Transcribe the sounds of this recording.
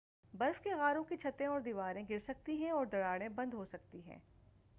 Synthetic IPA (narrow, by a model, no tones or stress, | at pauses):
bɐɾfkeɣaːɾõkit͡ʃʰɐt̪ẽɔːɾd̪iʋaːɾẽɡɪɾsɐk̚t̪iɦɛ̃ɔːɾd̪ɐɽaːɽ̃ẽbɐ̃nd̪ɦosɐk̚t̪iɦɛ̰̃ː